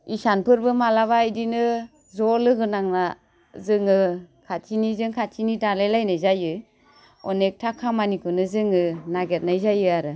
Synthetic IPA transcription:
isanpʰɯɾbɯmalaβaːjdinɯ | zɔlɯɡɯnaŋna | zɯŋɯkʰatʰinizɯŋkʰatʰinitalajlajnɯjzajɯ | ɔnek̚tʰakʰamanikʰɯnɯzɯŋɯnaɡet̚najzajɯaɾɯ

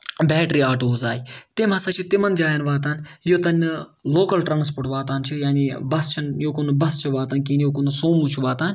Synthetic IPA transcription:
bɛːʈɾiːaːʈoːzaːit̪emɐsɐt͡ʃʰit̪imɐnd͡ʒaːjɐnʋaːt̪aːnjot̪ɐnʲ | loːkɐlʈɾãːns̬poːɾʈʋaːt̪aːnt͡ʃʰijaːnibɐst͡ʃʰinjokonbɐst͡ʃʰiʋaːt̪ɐnkiːnjokonusoːmut͡ʃʰuʋaːt̪aːnʲ

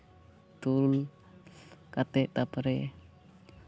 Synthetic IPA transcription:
t̪ul | kat̪ɛʔt̪apəɾe

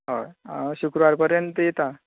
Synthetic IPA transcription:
ɦoɕukɾuʋaɾpəɾjənt̪əjet̪a

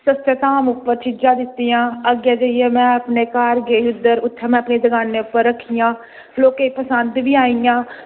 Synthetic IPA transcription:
səsət̪aːmʊpːəɾt͡ʃʰɪd͡ʒaːd̪ɪt̪ːijãːəɡaːd͡ʒəijeːmɛ̃ːəpneːkaːɾɡeːʊd̪əɾʊt̪ʰːẽmɛ̃ːəpɳeːd̪əɡaːneːʊpːəɾəkʰːijãː | loːkeːpəsənd̪ʋiːaːijãː

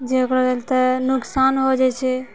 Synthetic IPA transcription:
d͡ʒeokɾɔɾelt̪ənuksanɦod͡ʒɛt͡ʃʰɛ

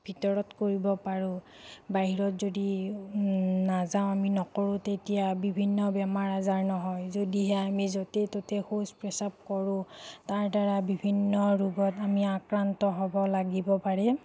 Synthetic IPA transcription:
bʱitɔɹɔtkoɹibɔpaɹʊ̃ | baɦiɹɔtzodi | nazaʊ̃aminɔkɔɹʊ̃tetijabibʱinːɔbɛmaɹazaɹnɔɦɔjzodiɦɛamizotɛtotɛxospɹɛsap̚kɔɹʊ̃taɹdaɹabibʱinːɔɹuɡɔtamiakɹantɔɦɔbɔlaɡibɔpaɹɛ

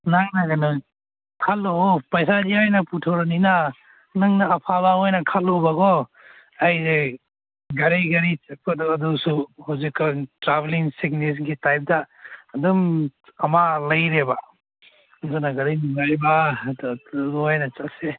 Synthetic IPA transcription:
naŋnaɡanu | kʰalːopɐjsad͡ʒiajnɐputʰawɾanina | nɐŋnaːpʰabaɔjnɐkʰalːɔbaɡɔ | ajze | ɡɐɾajɡɐɾit͡ʃɐk̚paduɐdusuhawzikːatɾabeliŋsiknis̬ɡitajp̚daːdumɐmalɐjɾeba | zunaɡɐɾijnuŋajbaduɡuajnɐt͡ʃase

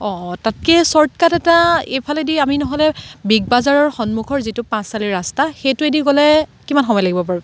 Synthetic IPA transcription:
ɔ̃tatkɛsɔɹtkatɛtaejpʰalɛdiaminɔɦɔlɛbiɡ̚bazaɹɔɹxɔnmukʰɔɹzitʊpãssaliɹastaxejtʊediɡɔlɛkimanxɔmɔjlaɡibɔpaɹibɔ

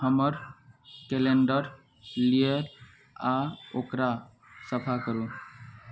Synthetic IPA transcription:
həməɾkeleɳɖəɾ | lieɾ | aokɾa | səpʰakəɾu

